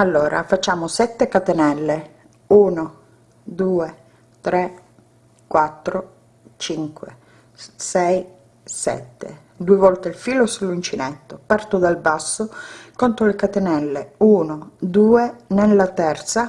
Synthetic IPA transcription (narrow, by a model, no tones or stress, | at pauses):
alːoːɾʔa̰fat͡ʃːaːmosɛt̪ːekat̪enɛlːe | uːno | d̪uːe | t̪ɾe | kwat̪ːɾo | t͡ʃiŋkwḛ | sɛj | sɛ̰t̪ːḛ | d̪uevɔlt̪elfiːlosulːint͡ʃinet̪ːopart̪od̪albasːokont̪ɾolekat̪enɛlːeuːnod̪uːenelːat̪ɛrt̪sa